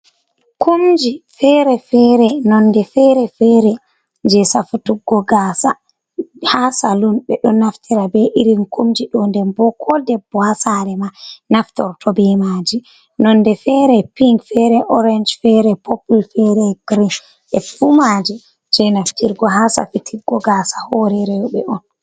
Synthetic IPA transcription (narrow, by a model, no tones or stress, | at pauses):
kumd͡ʒifɛɾɛfɛɾɛnɔndɛfɛɾɛfɛɾɛ | d͡ʒɛsafutuɡɔɡaːsa | hasalunɓɛɗɔnaftʰiɾabɛʔiɾinkomd͡ʒiɗɔndɛmbɔkʰɔdɛbːɔhasaɾɛmanaftɔ̰ɾtʰɔbɛmad͡ʒi | nɔndɛfɛɾɛpiŋkfɛɾɛʔɔɾɛnd͡ʒfɛɾɛpɔpulfɛɾɛɡɾi | ʔɛfumad͡ʒi | d͡ʒɛnaftiɾɡɔɦasa̰fitʰiɡːɔɡasḁhɔɾɛɾɛjɔɓɛʔɔn